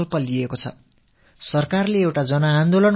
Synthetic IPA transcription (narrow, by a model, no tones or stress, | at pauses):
lpʌliekot͡sʰʌ̰ | sʌrkarleewʈad͡zʌnaːnd̪olʌn